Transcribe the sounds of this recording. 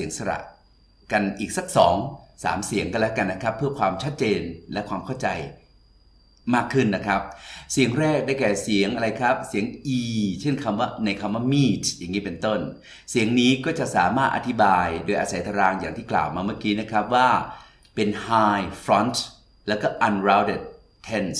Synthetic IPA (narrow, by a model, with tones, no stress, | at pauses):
i˨˩˦əŋsa˧ɾa̰˨˩ʔ | ka˧nʔiː˨˩k̚sa˦˥k̚sɔː˩˦ŋsa̰ː˩˦msi˨˩˦əŋkɔ˧˥˨lɛ˦˥wka˧nːa˦˥kʰɾa˦˥pʰːɯ˥˩ɐkʰwaː˧mt͡ɕʰa˦˥t̪̚t͡ɕeː˧nlɛ˦˥ʔkʰwaː˧mkʰa˥˩wt͡ɕa˧j | maː˥˩kʰːɯ˥˩nːa˦˥kʰɾa˦˥p̚si˨˩˦əŋɾɛː˥˩k̚daː˥˩jkɛː˨˩si˩˦əŋʔa˧ɾa˧jkʰɾa˦˥p̚si˨˩˦əŋʔiː˧t͡ɕʰe˥˩nkʰa˧mwaː˥˩na˧jkʰa˧mwaː˥˩miː˥˩t̪̚ja˨˩ŋːiː˦˥pe˧nt̪o˥˩n | si˩˦əŋniː˦˥kɔː˥˩t͡ɕa˨˩ʔsaː˩˦maː˥˩t̪ʔa̰˧t̪ʰi˦˥baː˧jdoː˧jʔaː˧sa˨˦jt̪ʰa˧ɾaː˧ŋjaː˨˩ŋt̪ʰiː˥˩kla̰ː˨˩wmaː˧maː˥˩kiː˦˥na˦˥kʰɾa˦˥p̚waː˥˩ | pe˧nhaː˧jfɾɔ˦˥nt̪ | lɛː˦˥wkɔː˥˩ʔa˧nɾaː˦˧˥wde˥˩d̪̚ʰ | e˦˥˩ns